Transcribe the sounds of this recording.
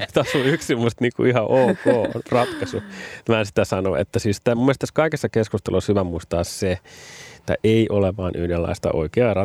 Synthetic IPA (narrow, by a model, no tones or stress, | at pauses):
t̪ɑsuyksimːust̪niːkṵihɑʔoːko̰ːrɑt̪kɑsumæːnsi̥t̪æsɑno̰ḛt̪ːæsiːst̪æmumːiest̪æskɑikesːɑkeskust̪elushyʋæmuist̪ɑːsseet̪ːæ̰ʔeiʔoleʋɑːnʔyhdelːɑ̰ist̪ɑ̰ʔo̰ikeɑrɑ